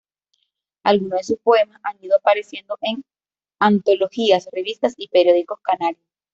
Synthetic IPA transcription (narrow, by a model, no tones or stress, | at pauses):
alɣunoðesuspo̞emasʔaniðoapaɾe̞sje̞nd̪o̞ʔeŋ | ant̪o̞lo̞xiasre̞βist̪asipeɾjo̞ðiko̞skanaɾjos